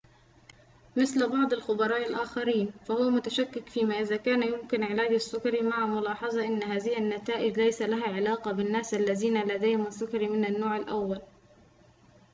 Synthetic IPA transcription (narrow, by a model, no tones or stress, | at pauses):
mɪθlbɑʕd̪ˤalxʊbɑɾˤɑːʔalʔaːxaɾiːnfahʊwamʊt̪aʃakːɪkfiːmaːʔɪðaːkaːnjʊmkɪnʕɪlaːd͡ʒasːʊkɑɾmaʕamʊlɑːħɑzˤɑʔɪnːɦaːðɪhɪnːat̪aːʔɪd͡ʒlajsalaɦaʕɪlɑːqɑbɪnːaːsʔalːaðiːnalad̪ajhɪmasːʊkɑɾimɪnanːoːʕalʔawːal